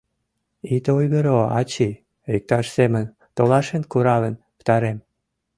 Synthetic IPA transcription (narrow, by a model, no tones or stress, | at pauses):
it̪ojɣəɾoɑ̰t͡ɕi | ik̚t̪ɑʃsemən | t̪olɑʃenkuɾɑlə̆n | pə̥t̪ɑɾem